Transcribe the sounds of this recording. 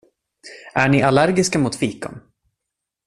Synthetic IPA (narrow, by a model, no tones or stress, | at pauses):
ʔæɳɪʔalæɾɡɪskamʊt̪fiːkɔ̰n